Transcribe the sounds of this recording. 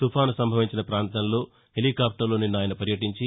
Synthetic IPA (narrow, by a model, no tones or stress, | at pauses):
t̪upʰaːnusɐmbʱɐʋiɲt͡ʃinɐpɾaːnt̪ɐnlo̞ː | heliːkaːp̚ʰʈɐɾlo̞ːninːaːjɐnɐpɐɾjɐʈiɲt͡ʃi